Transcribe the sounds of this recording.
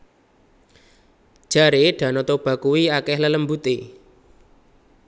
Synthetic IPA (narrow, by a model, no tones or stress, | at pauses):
ʒ̥a̤ɾeɖ̥ä̤nɔt̪ob̥a̤kuwiakɛhlələmbut̪e